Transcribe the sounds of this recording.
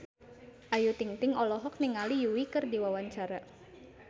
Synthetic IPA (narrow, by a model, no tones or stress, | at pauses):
ʔajut̪iŋt̪ɪŋɔlɔɦɔk̚niŋalijuwikɨrdiwawaɲt͡ʃaɾa